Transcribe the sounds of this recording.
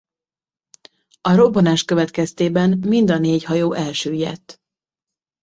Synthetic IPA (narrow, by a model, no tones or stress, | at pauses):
ɒɾo̞bonaːʃkø̞vɛt̪kɛst̪eːbɛnmind̪ɒneːchɒjoːʔɛlʃøːjɛ̰t̪ː